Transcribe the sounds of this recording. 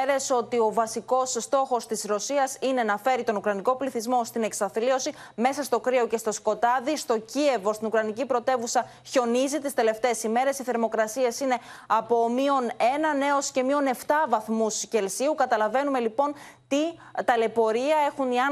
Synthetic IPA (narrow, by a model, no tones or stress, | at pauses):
ɾe̞so̞t̪io̞vɐsiko̞sːt̪o̞xo̞st̪isɾo̞siɐsine̞nɐfe̞ɾit̪o̞nukɾɐniko̞pliθizmo̞st̪ine̞ksɐθlio̞sime̞sɐst̪o̞kɾioce̞st̪o̞sko̞t̪ɐðist̪o̞cie̞vo̞st̪inukɾɐnicipɾo̞t̪e̞vusɐ | ço̞nizit̪ist̪e̞le̞ft̪e̞ːsime̞ɾe̞siθe̞ɾmo̞kɾɐsie̞sine̞ɐpo̞mio̞ne̞nɐne̞o̞sce̞mio̞ne̞ft̪ɐvɐθmusce̞lsiukɐt̪ɐlɐve̞nume̞lipo̞n | t̪it̪ɐle̞po̞ɾiɐe̞xuniɐ